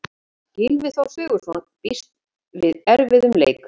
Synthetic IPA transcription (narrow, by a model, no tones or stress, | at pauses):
cɪlvɪ̥θawsʏːɣʏɾ̥sɔnt̪pist̪ | vɪðɛɾvɪðʏmlḛːjk